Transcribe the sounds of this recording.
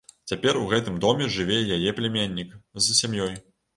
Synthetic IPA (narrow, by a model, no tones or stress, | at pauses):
t͡sʲapʲɛruɣɛt̪ɨmd̪ɔmʲɛʐɨvʲɛjajɛplʲɛmʲenʲːikzɐsʲamjɔj